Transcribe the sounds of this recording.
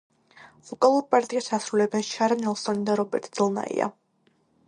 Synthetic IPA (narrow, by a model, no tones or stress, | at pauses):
vɔkʼalˠuɾpʼaɾt̪ʼiasasɾulɛbɛnʃaɾanɛlˠsɔnid̪aɾɔbɛ̰ɾt̪ʼd̪zilˠna̰ḭa̰